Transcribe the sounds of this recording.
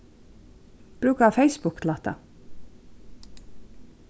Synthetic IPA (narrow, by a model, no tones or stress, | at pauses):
b̥ɾʉːkaɑfeɪsbʊklɑːt̪a̰